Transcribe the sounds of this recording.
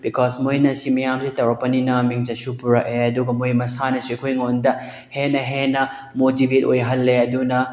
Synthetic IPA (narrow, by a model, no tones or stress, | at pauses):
bikʰɔsmojnɐsimɐjamsitɐwɾɐpːɐninɐmiŋd͡ʒɐsupuɾɐkeɐduɡɐmojmɐsanɐsuikʰojŋondɐ | henɐɦenɐ | motibʱet̚o̰jɦɐlːeɐdunɐ